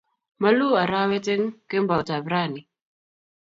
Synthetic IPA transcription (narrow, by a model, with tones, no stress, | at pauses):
ma˦lu˦a˨ɾa˦we˦te˦ŋke˦mba˨ta˨bɾa˦˨ni˨